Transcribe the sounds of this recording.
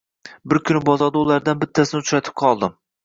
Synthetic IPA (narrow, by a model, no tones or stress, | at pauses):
bɪɾkʲʰʊnɪbɒzɒɾd̪aulˠæɾd̪anbɪt̪ʰːæsɪnɪt̪ʰɾat̪ʰɪ̥p̚qʰɒlˠd̪ɪm